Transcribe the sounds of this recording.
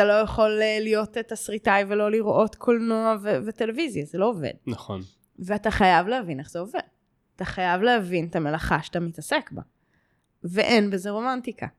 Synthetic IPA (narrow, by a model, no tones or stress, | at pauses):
atalo̞jeχo̞lelijo̞tetasʁitajvelo̞liʁʔo̞tkʰolnoavevete̞le̞vizjazelo̞ːvḛd̚naχo̰n | veataχajavlehavine̞χz̥eo̞ve̞̰d̚ | ataχajavleavinetamelaχaʃat̪amitɐse̞kba̰ | veʔenbe̞zeʁo̞mantikʰa̰